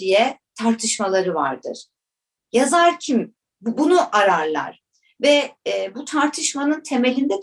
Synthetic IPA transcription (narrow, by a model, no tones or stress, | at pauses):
ijɛt̪ʰaɾt̪ʰɯʃmalˠaɾɯva̰ɾd̪ɯ̰ɾ̥ | jazaɾcʰim | bunuʔaɾaɾlˠa̰ɾ̥ | vɛːbut̪ʰaɾt̪ʰɯʃmanɯnt̪ʰe̞me̞lʲind̪ɛ